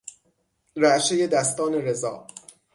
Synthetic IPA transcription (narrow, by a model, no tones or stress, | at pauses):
ɾæʔʃeje̞d̪æst̪ɒːne̞ɾezɒ̰ː